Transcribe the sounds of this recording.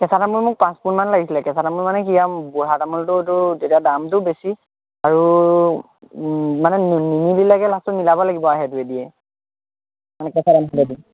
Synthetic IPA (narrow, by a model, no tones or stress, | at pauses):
kɛsatamulmʊk̚pãspunmanlaɡisilɛkɛsʰatamuɹmanɛkijabɔɹatamultʊtʊtetijadamtʊbesi | aɹu | manɛnnimililaɡɛlastʊnilabɔlaɡibɔaɦɛduɛdijɛ | manɛkɛsadamɔlɛdi